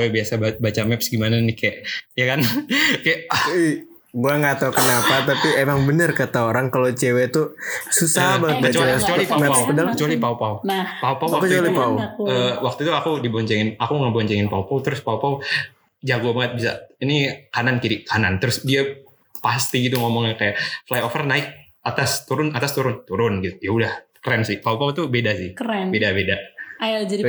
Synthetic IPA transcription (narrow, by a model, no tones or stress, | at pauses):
ɛbiasababat͡ʃamɛpsɡimananɪkajaʔjakankajaʔi | ɡuaŋat̪awkənapat̪apiemaŋbənərkat̪aoɾaŋkalot͡ʃewet̪ususaɦbaŋət̪̚bəat͡ʃasət͡ʃalimɛkədalkət͡ʃualipaupaupaupawkət͡ʃualipauəwak̚t̪uit̪uakudibɔɲt͡ʃɛŋɪnakuŋəbɔɲt͡ʃɛŋɪnpaupaut̪əɾʊspaupau | d͡ʒaɡubaŋət̪̚bisa̰inikanankiɾɪʔkʰanant̪əɾʊsdia | past̪iɡit̪uŋomɔŋakajaʔflajofərnaɪk̚ | at̪ast̪uɾʊnat̪ast̪uɾʊnt̪uɾʊnɡit̪uiaudahkəɾɛnsɪhpaupaut̪ubedasɪhkəɛnbedabedaajad͡ʒai